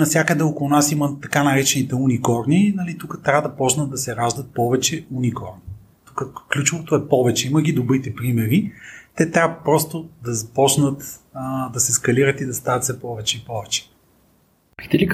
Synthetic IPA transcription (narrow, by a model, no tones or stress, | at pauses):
nɐfsʲjakəd̪ɛokʊlˠunasimɐt̪ɐkanɐɾɛt͡ʃɛnit̪ɛunikɔɾninɐlit̪ukət̪ɾʲavəd̪ɐpɔt͡ʃnət̪d̪ɐsɛɾaʒd̪ət̪̚pɔvɛt͡ʃɛunikɔɾni | t̪u̥kəklʲut͡ʃovot̪oɛpɔvɛt͡ʃɛiməɡʲid̪obɾit̪ɛpɾimɛɾit̪ɛt̪ɾʲavəpɾɔst̪od̪ɐzɐpɔt͡ʃnət̪d̪ɐsɛskɐliɾət̪id̪ɐst̪avɐt̪sɛpɔvɛt͡ʃɛipɔvɛt͡ʃɛ̥ | t̪ɛlik